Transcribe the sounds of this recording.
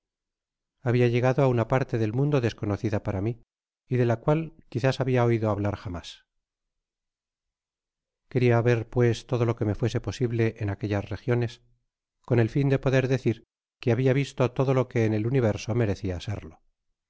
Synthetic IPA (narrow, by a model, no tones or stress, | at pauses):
aβiaʝe̞ɣ̞aðoaunapaɾt̪e̞ðe̞lmũnd̪o̞ðe̞sko̞noθiðapaɾamiː | ðe̞lakwalkiθasaβiao̞iðo̞aβlaɾxama̰s | ke̞ɾiaβe̞ɾpwe̞st̪o̞ð̞o̞lo̞ke̞me̞fwe̞se̞po̞siβle̞ʔːnakeʎasre̞xjo̞ne̞s | ko̞ne̞lfind̪e̞po̞ðe̞ɾðe̞θiɾ | keaβiaβ̞ist̪ot̪o̞ðo̞lo̞ke̞ːneluniβe̞ɾso̞me̞ɾe̞θiasḛɾlo̞